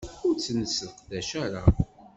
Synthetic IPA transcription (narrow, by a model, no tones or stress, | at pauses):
ʊɾt͡sːnəsəfqðæʃæɾa̰